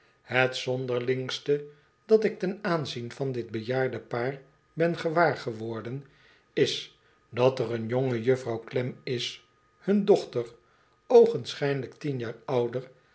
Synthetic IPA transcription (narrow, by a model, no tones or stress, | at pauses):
hətsɔndəɹlɪŋstə | d̥ɑtɪk̚tɛnaːnzinvɑndɪd̚bəjaːɹdəpaːr | bɛnχəʋaːɹχəʋɔɹdən | ɪs | dɑtərənjoŋəjɵfrɑwklɛmɪs | hɵndɔχtər | owχənsχɛjnələktinjaːɹʌwdəɹ